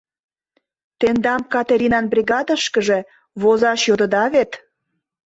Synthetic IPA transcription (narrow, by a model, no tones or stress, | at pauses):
t̪end̪ɑmkɑt̪eɾʲinɑnbrʲiɣɑd̪əʃkəʒe | βozɑʃjod̪əd̪ɑβet̪